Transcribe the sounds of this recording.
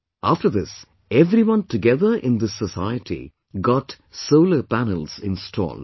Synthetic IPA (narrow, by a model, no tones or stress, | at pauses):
ʔaːfʈəɾd̪ɪs | eʋɾiʋʌ̃nʈuɡɛðəɾʔɪ̃nd̪ɪsːəsaɪəʈḭ | ɡɔʈ | soʊləpænəlsɪ̃nsʈʰɔ̰ːld